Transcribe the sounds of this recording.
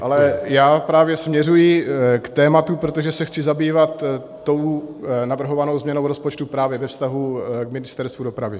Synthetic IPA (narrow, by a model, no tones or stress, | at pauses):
ʔalɛjaːpɾaːvjɛsmɲɛrujɪkt̪ɛːmat̪upɾo̞t̪o̞ʒɛsɛxt͡sɪzabiːvat̪ː | o̞wnavr̩ɦo̞vano̞wzmɲɛno̞wɾo̞spot͡ʃt̪upɾaːvjɛvɛfst̪aɦukmɪnɪst̪ɛɾst̪vudo̞pɾavɪ